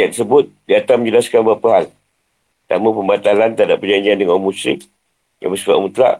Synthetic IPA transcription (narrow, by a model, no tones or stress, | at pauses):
at̪əsəbʊt̪̚diat̪aməɲd͡ʒəlaskanbaʔpəɦal | t̪aməpəmbat̪alant̪adapːərd͡ʒaɲd͡ʒiandəŋamusɪk̚ | ja̰məsifa̰ʔmut̪ɾa̰ʔ